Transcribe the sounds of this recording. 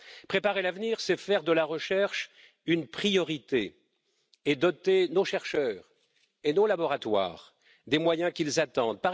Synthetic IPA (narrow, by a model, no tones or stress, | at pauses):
pχepaʁelavniʁsɛfɛʁd̪əlaʁəʃɛʁʃ | ynpχijɔʁit̪e | ed̪ɔt̪enoʃɛʁʃœːʁ | enolabɔʁat̪wa̰ːʁ | d̪emwajɛ̃kʲilzat̪ɑ̃d̪̚paʁ